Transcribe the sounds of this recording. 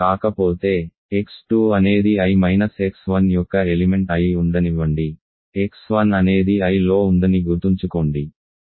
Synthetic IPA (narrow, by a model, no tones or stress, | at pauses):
kaːkɐpoːt̪e̞ː | eksʈuːɐne̞ːd̪iɐjmɐjnɐseksʋɐnjɔkːɐelime̞ɳʈɐjuɳd̪ɐniʋɐɳɖi | eksʋɐnɐne̞ːd̪iɐjlo̞ːund̪ɐniɡuɾt̪iɲt͡ʃukoːɳɖi